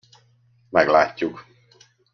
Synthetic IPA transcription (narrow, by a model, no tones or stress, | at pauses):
mɛɡlaːcːuk